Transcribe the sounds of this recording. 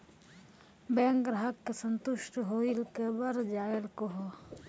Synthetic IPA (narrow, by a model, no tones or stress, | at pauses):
bɛ̃ːŋkɡɾaɦəkːesənt̪ʊʃʈɦoːilkebəɾd͡ʒaːjəlkoɦo